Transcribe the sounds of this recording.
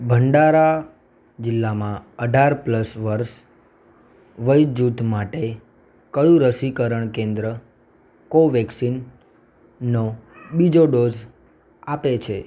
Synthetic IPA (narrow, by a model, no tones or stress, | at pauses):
bʱəɳɖaɾa | d͡ʒɪlːamãəɖʱaɾpləsʋəɾʃ | ʋəjd͡ʒut̪maʈe | kəjũɾəsikəɾəɳkẽnd̪ɾə | koʋɛksinː | obid͡ʒoɖoz | apet͡ʃʰe